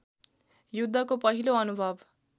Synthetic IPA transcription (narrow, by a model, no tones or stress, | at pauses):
jud̪ʱːʌkopʌɦiloʌnubʱʌb